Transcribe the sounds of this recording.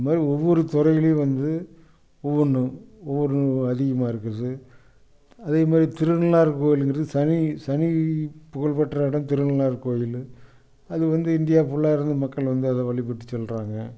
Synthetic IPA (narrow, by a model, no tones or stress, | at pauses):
maːd̪ɾiɔʋːɔɾɯt̪ɔɾɐjɪleːʋɐnd̪ɯ | ɔʋːɔɳːɐɔʋːɔɾɯɐðɪɣɐmaːɪɾɯkːɯɾɐðɯ | ɐðeːmaːd̪ɾit̪ɪɾɯnɐlaːɾkoːjɪlɯnɡɾɐðɯsɐnisɐnipʊɣɐɭpɐʈːrɐɪɽɐmt̪ɪɾɯnɐlaːɾkoːjɪl | ɐðɯʋɐnd̪ɯɪnd̪ɪjaːfʊɭːaːɪɾɯnd̪ɯmɐkːɐɭʋɐnd̪ɯɐðɐʋɐɭɪp̬ːɐʈːɯ̥t͡ʃːɔlraːŋɡɐ